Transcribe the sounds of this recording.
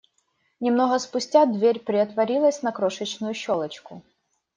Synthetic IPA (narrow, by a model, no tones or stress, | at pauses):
nʲɪmnɔɦɐspʊsʲtʲad̪ʋʲeɾʲpɾʲɪɐt̪ʋɐɾʲilˠɐsʲnɐkɾɔʃɪt͡ʃnʊjʊʃɔlˠɪt͡ʃkʊ